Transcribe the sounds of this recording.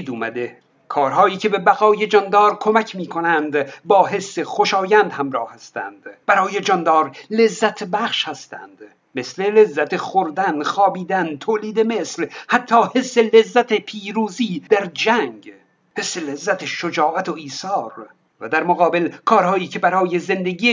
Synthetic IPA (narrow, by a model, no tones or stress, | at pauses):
d̪uːmæd̪e | kʰɒːɾɦɒːiːcʰe̞be̞bæɣɒːje̞d͡ʒɒnd̪ɒːɾkʰomæcʲʰmiːkʰonænd̪bɒːɦe̞sːeχoʃɒːjænd̪hæmɾɒːhhæst̪æ̰nd̪̥bæɾɒːje̞d͡ʒɒnd̪ɒːɾle̞zːæt̪ʰbæχʃhæst̪æ̰nd̪̥ | me̞sle̞le̞zːæt̪ʰeχoɾd̪ænχɒːbiːd̪ænt̪ʰoːliːd̪e̞meslhæt̪ʰːɒːhe̞sːelezːæt̪ʰe̞pʰiːɾuːziːd̪̥æɾd͡ʒæŋɡ | he̞sːe̞lezːæt̪ʰeʃod͡ʒɒːʔæt̪ʰoiːsɒːɾ | væ̰d̪æɾmoɣɒːbelkʰɒːɾhɒːiːcʲʰe̞bæɾɒːjeze̞nd̪eɡiː